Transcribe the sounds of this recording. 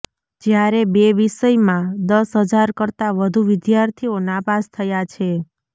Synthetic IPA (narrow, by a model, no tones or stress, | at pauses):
d͡ʒjaɾebeʋiʃəjmãd̪əsɦəd͡ʒaɾkəɾt̪aʋəd̪ʱuʋɪd̪jaɾt̪ʰionabast̪ʰəjat͡ʃʰe